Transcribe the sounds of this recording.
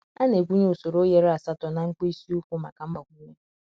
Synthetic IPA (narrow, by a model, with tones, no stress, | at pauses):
a˦ne˨ɡʷu˦ɲ˦o˨so˨ɾo˦je˦ɾa˨sa˦tɔ˨na˨ŋ̩˦k͡pi˦si˦u˦kʷu˦ma̰˨ka˨m̩˦ba˨ɡʷu˦ɲe˦